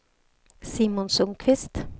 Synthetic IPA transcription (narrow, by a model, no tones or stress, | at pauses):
siːmʊnsʊŋkʰʋɪst̪